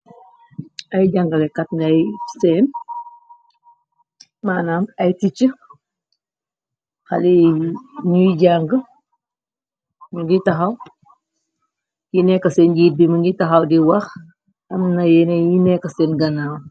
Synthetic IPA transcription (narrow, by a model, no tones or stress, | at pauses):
ɐjɟaŋɡəlɛkɐt̚nɐjsɛːn | maːnaːmɐjtit͡ʃə | xa̰li | ɲujɟaŋɡə | ɲuŋɡitɐxɐw | jinɛkːɐsɛːnɡit̚biməŋɡitɐxɐwdiwɐx | ɐmnajɛnɛjinɛkɐsɛnɡɐnaːm